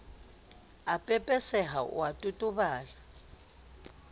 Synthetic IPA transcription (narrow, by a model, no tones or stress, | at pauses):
apʼɛpʼɛsɛɦa̰watʼutʼuβaːla